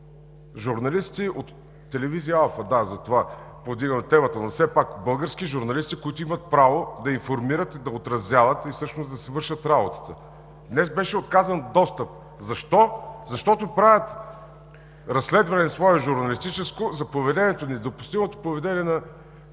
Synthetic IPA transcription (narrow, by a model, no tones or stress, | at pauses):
ʒuɾnɐlist̪iot̪ː | ɛlɛvizijəalˠfəd̪azɐt̪ova | povd̪iɡəmt̪ɛmɐt̪ənofsɛpakbɤlˠɡəɾsk̟iʒuɾnɐlist̪ikoit̪oimət̪̚pɾavod̪ɐinfoɾmiɾət̪id̪ɐot̪ɾɐzjavət̪ifsɤʃnozd̪ɐsɛvɤɾʃət̪ɾabot̪ə̥t̪ə | d̪nɛsbɛʃɛot̪kazənd̪ɔst̪əp̚ | zɐʃt̪ɔzɐʃt̪ɔt̪opɾavʲət̪ | ɾɐsːlɛd̪vɐnɛsvɔɛʒuɾnɐlist̪it͡ʃɛskozɐpovɛd̪ɛnʲiɛt̪onɛd̪opʊ̥st̪imot̪o̥pɾovɛd̪ɛnʲiɛnɐ